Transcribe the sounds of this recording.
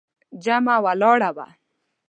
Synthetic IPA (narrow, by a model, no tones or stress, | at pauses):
d͡ʒamawalɔːɽawa̰